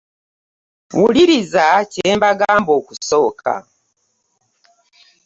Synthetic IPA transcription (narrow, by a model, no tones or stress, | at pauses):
wuliɾizaceːmbaɡaːmbo̞ːkuso̞ːkʰa̰